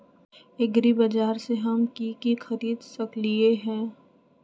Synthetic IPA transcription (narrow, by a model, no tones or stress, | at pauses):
ɪɡɾibɐd͡ʒaːɾseɦɐmkikixɐɾiːd̪sɐklieɦɛ̃ː